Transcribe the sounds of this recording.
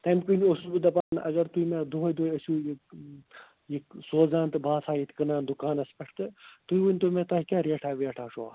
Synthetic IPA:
t̪ɐmkʲunʲosubɨd̪ɐpaːnʔɐ̰ɡɐɾt̪uimed̪uɦojd̪oːjɐsuːjek | jiksoːzaːnt̪ɨbʱaːsaːjit̪ʰkɐnaːnd̪ukaːnɐspɐʈʰt̪ɨt̪uiʋɨnʲt̪umẽt̪ɐːɦikʲaːɾeːʈʰaːʋeʈʰaːʂoːa̰

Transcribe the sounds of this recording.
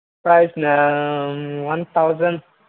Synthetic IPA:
pɹaɪzna | wãnt̪awzə̃n

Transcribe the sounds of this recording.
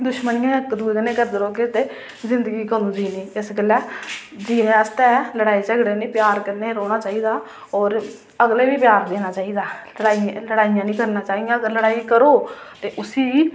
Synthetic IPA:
d̪ʊʃmənɪãːkːd̪uːeːkənẽːkəɾd̪əɾoːket̪eː | zɪnd̪əɡiːkənũːd͡ʒiːnĩːɪsɡəlɛː | d͡ʒiːnẽːəst̪ɛːləɽaːiːt͡ʃəɡɽeːnĩːpjaːɾkəɾneːɾoːɽ̃aːt͡ʃaːiːd̪aː | ɔːɾ | əɡleːʋiːpjaːɾd̪eːnaːt͡ʃaːiːd̪aː | əɽaːiləɽaːijãːnĩːkəɾnãːt͡ʃaːijãːəɡəɾləɽaːiːkəɾoːt̪eːʔʊsiː

